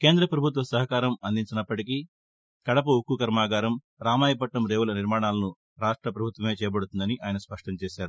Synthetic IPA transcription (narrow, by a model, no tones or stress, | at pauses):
ke̞ːnd̪ɾɐpɾɐbʱut̪̬ʋɐsɐɦɐkaːɾɐmɐnd̪iɲt͡ʃinɐpːɐʈiki | kɐɽɐp̬ɐukːukɐɾmaːɡaːɾɐm | ɾaːmaːjɐp̬ɐʈnɐmɾe̞ːʋulɐniɾmaːɳaːlɐnu | ɾaːʂʈɾɐpɾɐbʱut̪ʋɐme̞ːt͡ʃɛːjɐbɐɽut̪und̪ɐniʔaːjɐnɐspɐʂʈɐmt͡ʃeːʃaːɾu